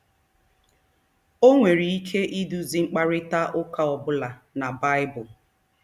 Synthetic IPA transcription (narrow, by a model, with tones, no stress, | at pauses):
o˦ŋʷe˨ɾi˨i˦kʰe˦ʔi˦du˨zi˨ŋ͡m̩˦k͡pa˦ɾɪ˦ta˦ʔʊ˦ka˨ɔ˨bʊ˦la˨ | na˨ba˦ɪ˦bʊ˨